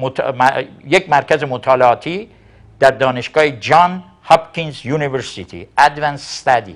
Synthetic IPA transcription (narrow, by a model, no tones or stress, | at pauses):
mot̪mjekmæɾkʰæzemot̪ʰɒːleɒːt̪ʰiː | d̪̥æɾd̪ɒːneʃɡɒːhed͡ʒɒn | hɒbkʰinzjuːniveɾsit̪ʰḭʔæd̪vænsst̪æd̪ḭ